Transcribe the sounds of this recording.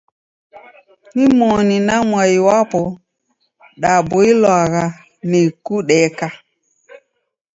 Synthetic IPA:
nimoninamwajiwapɔ | ɗaboilwaɣa | nekuɗɛka

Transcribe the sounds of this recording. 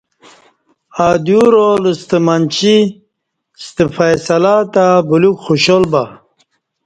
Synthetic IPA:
ad̪uɾoləst̪əmant͡ɕi | st̪əfajsɐlat̪abulukχuɕolba

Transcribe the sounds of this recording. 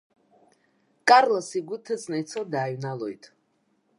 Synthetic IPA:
kʼaɾlasiɡʷut̪ʰɛsnɛt̪sʰɔd̪ajnalˠɔit̪ʰ

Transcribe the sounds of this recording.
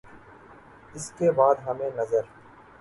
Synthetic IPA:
ɪskebaːd̪ɦɐmẽːnɐzəɾ

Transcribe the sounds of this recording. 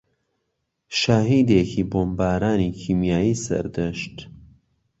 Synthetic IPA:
ʃaɦiːd̪ekʰiːboːmbaːɾaːnikʰiːmjaːjiːsɐ̰ɾd̪əʃt̪

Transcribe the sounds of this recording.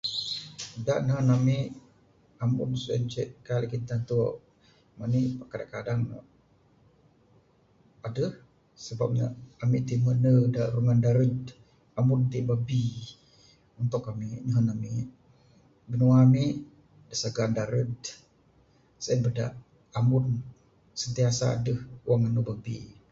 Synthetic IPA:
ədaʔnəɦənamiʔ | amʊ̰nsuɛ̰nd͡ʒɛʔkalʔkint̪ant̪uʔ | maniʔpakadaŋkadaŋ̰ | adəh | səbap̚ɲa̰amiʔt̪imənədaʔɾuŋandaɾəd | amʊnt̪iʔbabi | unt̪ʊkamiʔɲəɦənamiʔ | bənuamiʔ | dəsaɡandaɾəd̪ | saənbəda̰ʔ | amʊn | sənt̪iasa̰ːdəhuwaŋanubabḭ

